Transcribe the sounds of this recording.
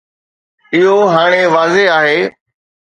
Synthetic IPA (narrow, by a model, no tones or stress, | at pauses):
ɪɦoɦaːɽ̃eʋaːzeaːɦeː